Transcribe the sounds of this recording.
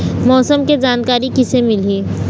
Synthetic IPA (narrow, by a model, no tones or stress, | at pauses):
mɔːsəmked͡ʒaːnkaːɾikɪsemɪleː